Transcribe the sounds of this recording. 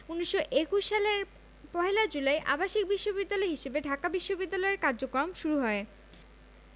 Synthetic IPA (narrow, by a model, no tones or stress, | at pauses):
uniʃːoʔekuʃʃaleɾ | pɔɦelad͡ʑulaeʔa̰baʃik̚biʃːobid̪ːalɔeɦiʃebeɖʱakabiʃːobid̪ːalɔeɾkaɾd͡ʑokɾomʃuɾuɦɔe